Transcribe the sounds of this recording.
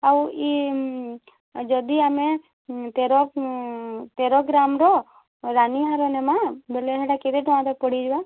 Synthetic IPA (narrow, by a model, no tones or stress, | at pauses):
awi | d͡ʒɔd̪iame | t̪eɾɔ | t̪eɾɔɡɾamɾɔ | ɾaniɦaɾɔnemãbeleɦeɽaked̪eʈɔãd̪ak̚pɔɽid͡ʒwa